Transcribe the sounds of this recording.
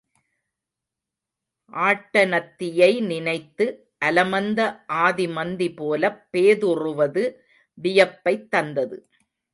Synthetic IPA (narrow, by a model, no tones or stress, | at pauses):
ʔaːʈːɐnɐt̪ːɪjɐɪnɪnɐɪt̪ːɯ | ʔɐlɐmɐnd̪ɐʔaːðɪmɐnd̪ipoːlɐpːeːðʊrʊʋɐðɯ | bɪjɐpːɐɪt̪ːɐnd̪ɐðɯ̰